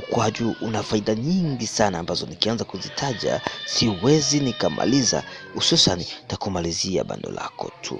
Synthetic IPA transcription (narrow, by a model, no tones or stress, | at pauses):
kwaʄuːʔunafaiɗaɲiŋɡisanaːmbazɔnikianzakuzitʰaʄa̰siwɛzinikama̰liza̰ | ususanitakumalizia̰ɓa̰ndɔ̰la̰kɔ̰tʰṵ